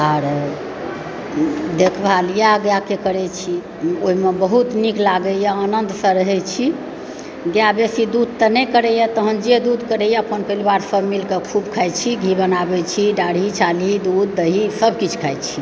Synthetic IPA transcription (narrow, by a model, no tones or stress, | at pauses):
aɾ | d̪ekʰbalijaɡjakekəɾɛt͡ʃʰi | oɦimebəɦut̪niklaɡəjaənənd̪sə̃ɾəɦɛt͡ʃʰi | ɡjabesid̪ud̪̚t̪ənɛkəɾɛjət̪əɦənd͡ʒed̪ud̪kəɾɛjəpənpəlibaɾsəbmilkekʰubkʰajt͡ʃʰiɡʱibənabɛt͡ʃʰiɖaɽ̤it͡ʃʰalid̪ud̪̚ːəɦisəbkit͡ʃʰkʰajt͡ʃʰi̥